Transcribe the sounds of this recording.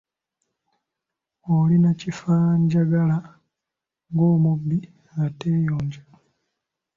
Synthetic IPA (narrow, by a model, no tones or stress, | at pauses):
olinacifaɲɟaɡala | ŋɡoːmubːi | ŋɡate̞ːjoːɲɟa